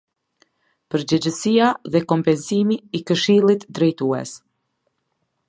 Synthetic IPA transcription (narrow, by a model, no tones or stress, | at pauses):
pəɾd͡ʑɛd͡ʑəsiaðɛkɔmpɛnsimiːkəʃilˠit̪d̪ɾɛjt̪uɛ̰s